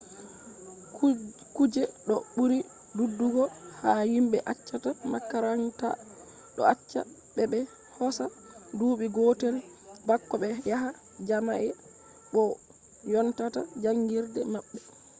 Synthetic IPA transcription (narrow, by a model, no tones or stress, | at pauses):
kud͡ʒɛɗɔɓuɾi | dudːuɡɔhahimɓɛʔat͡ʃːatamakːaɾaŋta̰ | ɗɔ̰at͡ʃːa̰ | ɓɛbɛ | hɔsa | duːɓiɡoːteɾi | bakːɔɓɛjaɦa | d͡ʒama̰ʔɛ | ɓɔ | jɔntata̰d͡ʒaŋɡiɾdɛmaɓːɛ